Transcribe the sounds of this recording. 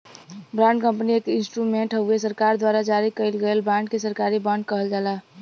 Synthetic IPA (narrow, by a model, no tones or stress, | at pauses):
bɾãɳɖkə̃mpnieːkĩnsʈɾumẽɳʈɦəɦuesəɾkaɾd̪waɾad͡ʒaɾikəɪlɡelbɾãɳɖ̚kesəɾkaɾibãɳɖ̚kəɦəld͡ʒala